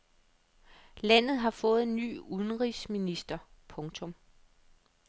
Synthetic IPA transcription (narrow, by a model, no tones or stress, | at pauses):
læn̰ð̞̩ˠɦɑ̈fɔ̽ːð̞̩ˠny̰ːuðˠnʁisminisd̥ɐpʰɔ̽ŋt͡sʰɔ̽m